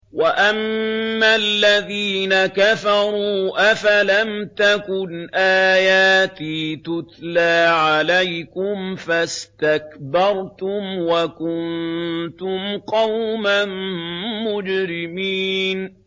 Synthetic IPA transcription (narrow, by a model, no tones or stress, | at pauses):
waʔamːalːaðiːnakafɑɾˤuːʔafalamt̪akʊnʔaːjaːt̪iːt̪ʊt̪laːʕalajkʊmfast̪akbɑɾˤt̪ʊmwakʊnt̪ʊmqɑwmanː | ʊd͡ʒɾɪmiːn